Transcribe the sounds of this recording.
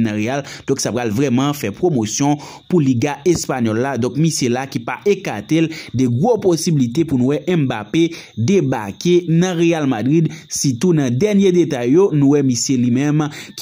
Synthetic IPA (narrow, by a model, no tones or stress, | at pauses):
nãɣeald̥̪ɔ̃ksapɣalvʁɛmɑ̃fɛpʁomosjɔ̃ | puliɡaɛspaɲɔlːad̪ɔ̃k̚misjelakipa̰ʔekat̪eld̪ɛɡʁoposibilit̪epunũwɛʔɛ̃mbape | d̪ebakenɐ̃ʁejalmadʁid̪sit̪unɐ̃d̪ɛʁnjed̪et̪ajːonũwɛmisjelimɛ̃mk